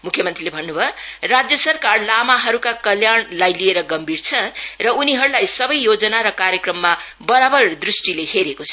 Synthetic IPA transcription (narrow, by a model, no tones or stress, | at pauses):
mukʰjʌmʌnt̪rilebʱʌnːubʱʌrad͡zjʌsʌrkarlamaɦʌɾukakʌljaɳlajlieɾʌɡʌmbirt͡sʰʌrʌuniɦʌɾulajsʌbʌjːod͡zʌnaɾʌkaɾjʌkrʌmːa | bʌɾabʌrd̪risʈileheɾekot͡sʰʌ